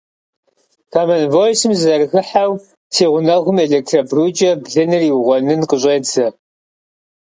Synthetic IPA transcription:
kʰaːmɐnvoːjsɨmzɐrxɨħaw | tʰeːʁʷʊnɐʁʷʊmeːɮek̚tʰrɐbruːt͡ʃʼɐbɮɨnɨriwʊʁʷɔnɨnqəɕʼeːd͡zɐ

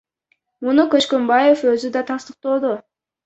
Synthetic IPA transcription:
munukøt͡ʃkø̞mbaje̞fø̞zyd̪ɑt̪ʰɑst̪ɯq̚t̪o̞ːd̪u

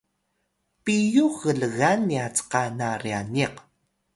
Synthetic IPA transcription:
pijuɣəɮəɣaniat͡sqanarianiq

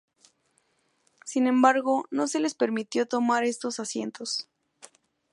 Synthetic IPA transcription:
sinẽ̞mbaɾɣo̞no̞se̞le̞spe̞ɾmit̪jo̞t̪o̞maɾe̞st̪o̞sasje̞̰nt̪o̞s

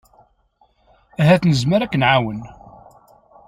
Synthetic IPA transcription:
æɦæθnəzməɾækːnʕawən

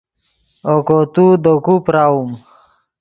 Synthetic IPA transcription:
okot̪ud̪okupɾaum

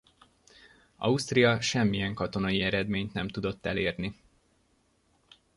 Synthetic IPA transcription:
ɒ̰ust̪rijɒʃɛmːijɛŋkɒt̪o̞nɒjiɛɾɛd̪meːɲt̪nɛmt̪ud̪o̞t̪ːɛ̰leːrni

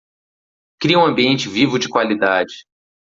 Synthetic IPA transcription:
kɾiɐũɐ̃mbiẽnt͡ʃɪvivʊd͡ʒɪkwalid̪ad͡ʒɪ

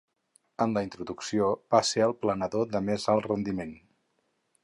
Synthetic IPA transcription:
ənləint̪ɾuðuksioβaseəlˠplənəðoðəmezalˠrənd̪imen

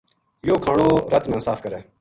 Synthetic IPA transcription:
joːkʰaːɳoːɾət̪mɛ̃ːsaːfkəɾeː

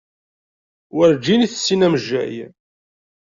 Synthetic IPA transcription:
wəɾd͡ʒiniθsːinæməʒːæ̰j

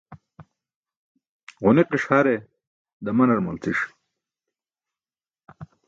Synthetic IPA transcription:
ʁuniqiʂhaɾe | d̪ɐmɐnɐɽmɐlt͡siʂ

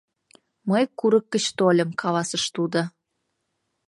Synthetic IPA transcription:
məjkuɾəkːə̆t͡ɕt̪olʲə̆mkʰɑlɑsəʃt̪ud̪o

